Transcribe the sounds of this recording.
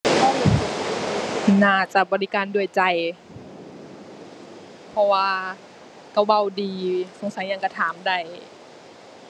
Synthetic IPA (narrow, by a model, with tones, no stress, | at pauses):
naː˧˩t͡ɕa˧˩bɔː˧˨li˦˧kaː˨ndu˧˩əjt͡ɕa˧˩j | pʰɔ˧waː˧ | ka˧˩wa˧˨wdiː˨˧so˧˦ŋsa˨˦jɲa˧ŋka˧˩t̪ʰaː˨˦mda˧˩j